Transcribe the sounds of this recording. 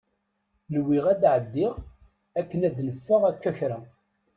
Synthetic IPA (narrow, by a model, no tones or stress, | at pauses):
lwiʁæd̪ʕəd̪ːɪʁ | ækːənæd̪nəfːəʁækːæçɾæ